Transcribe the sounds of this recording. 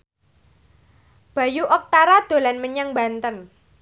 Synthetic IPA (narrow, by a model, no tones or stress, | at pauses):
b̥a̤juʔɔk̚t̪aɾad̪̥o̤lanməɲaŋba̤nt̪ən